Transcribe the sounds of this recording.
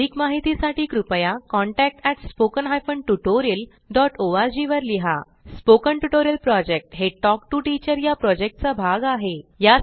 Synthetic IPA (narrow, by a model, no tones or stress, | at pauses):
ikmaɦit̪isaʈiːkɾupəjakɔɳʈæk̚ʈɛʈspokənɦajfəɳʈuʈoɾiəl | ɖɔʈoʋaɾd͡ʑiʋəɾliɦa | spokəɳʈuʈoɾiəlpɾɔd͡ʑek̚ʈɦeʈɔk̚ʈuʈit͡ɕəɾjapɾɔd͡ʑek̚ʈ̚t͡sabʱaɡaɦeja